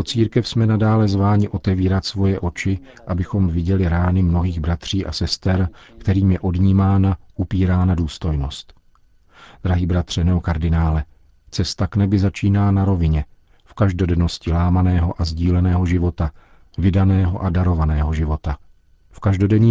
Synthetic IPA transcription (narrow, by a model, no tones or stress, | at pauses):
ot͡siːɾkɛfsmɛnadaːlɛzvaːɲɪʔo̞t̪ɛviːɾat̪svo̞jɛʔo̞t͡ʃɪ | ʔabɪxo̞mvɪɟɛlɪɾaːnɪmno̞ɦiːɣbɾat̪r̝̥iːʔa̰sɛst̪ɛɾkt̪ɛɾiːmjɛʔo̞dɲiːmaːnaʔupiːɾaːnaduːst̪o̞jno̞st̪ | d̪ɾaɦiːbɾat̪r̝̥ɛnɛokaɾdɪnaːlɛ | t͡sɛst̪aknɛbɪzat͡ʃiːnaːnaɾo̞vɪɲɛ | fkaʒdo̞dɛno̞scɪlaːmanɛːɦo̞ʔazɟiːlɛnɛːɦo̞ʒɪvo̞t̪a | vɪdanɛːɦo̞ʔadaɾo̞vanɛːɦo̞ʒɪvo̞t̪a | fkaʒdo̞dɛɲiː